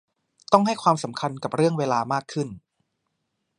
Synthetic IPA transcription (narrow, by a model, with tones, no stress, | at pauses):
t̪ɔ˥˩ŋɦa˥˩jkʰwaː˧msa˩˦mkʰa˧nka˨˩p̚ɾɯ˥˩əŋweː˧laː˧maː˥˩kʰːɯ˥˩n